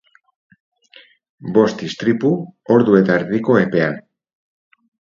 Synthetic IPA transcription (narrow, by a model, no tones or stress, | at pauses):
bo̞st̪ist̪ɾipuo̞ɾðue̞t̪aeɾðiko̞e̞pe̞an